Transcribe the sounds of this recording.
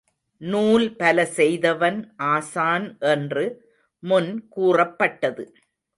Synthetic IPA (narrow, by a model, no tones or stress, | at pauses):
nuːlpɐlɐsɛjðɐʋɐnʔaːsaːnʔɛndrɯ | mʊnkuːrɐpːɐʈːɐðɯ